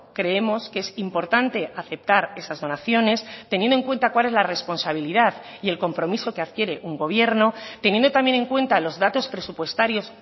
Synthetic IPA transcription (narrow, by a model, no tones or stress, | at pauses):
kɾe̞e̞mo̞skee̞simpo̞ɾt̪ant̪e̞ʔaθe̞p̚t̪aɾe̞sazðo̞naθjo̞ne̞st̪enjend̪o̞ŋkwe̞nt̪akwale̞zlare̞spo̞nsaβ̞iliðaðie̞lko̞mpɾo̞miso̞ke̞aðkje̞ɾe̞ʔuŋɡo̞β̞je̞ɾno̞t̪e̞njend̪ot̪amje̞ne̞ŋkwe̞nt̪alo̞zðat̪o̞spɾe̞supwe̞st̪aɾjo̞s